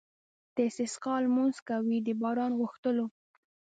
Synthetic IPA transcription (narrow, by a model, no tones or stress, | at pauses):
d̪̥əɪsɪsqɑlmunskawid̪əbɑɾɑnɣʊxt̪əlo